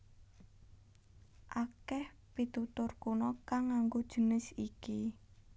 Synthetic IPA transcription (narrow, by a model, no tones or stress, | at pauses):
ʔakɛh | pit̪ut̪ʊrkunɔkaŋːaŋɡod̥ʒ̥ə̤nɪsiki